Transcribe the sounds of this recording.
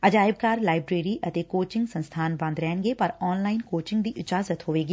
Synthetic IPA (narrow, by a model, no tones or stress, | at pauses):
əd͡ʒaːɪb̚kaːɾlaːɪbɾeːɾiːʔət̪eːkoːt͡ʃɪ̃ŋɡsə̃nst̪ʰaːnbə̃nd̪ɾɛːnɡeːpəɾɔːnlaːɪnkoːt͡ʃɪ̃ŋɡd̪iːʔɪt͡ʃaːzət̪ɦoːʋeːɡiː